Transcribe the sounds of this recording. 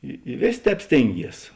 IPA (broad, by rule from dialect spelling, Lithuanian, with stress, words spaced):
ɪ ɪ ˈʋʲeːsʲeː ˈtʲɛːp ˈsʲtʲeːŋʲˌɡʲiɛs